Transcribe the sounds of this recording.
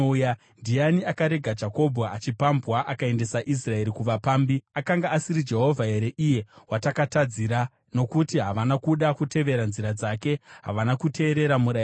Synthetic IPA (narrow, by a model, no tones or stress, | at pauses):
ja | ndijaniakaɾe̞ɡʱad͡ʒako̞bʱaat͡ʃipambwaʔakae̞nde̞saʔis̬rae̞ɾikuʋapaːmbiakaŋɡaːsiɾid͡ʒe̞ɦo̞vʱae̞ɾeʔije̞watakatad͡ziɾa | no̞kutiɦaʋanakuɗakute̞ʋe̞ɾanziɾad͡zake̞ɦa̰ʋanakutʰe̞ːɾe̞ɾamuɾaj